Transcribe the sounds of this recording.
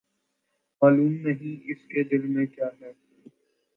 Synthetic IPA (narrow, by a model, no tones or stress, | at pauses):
maːluːmnəɦĩːɪsked̪ɪlmẽkjaːɦɛː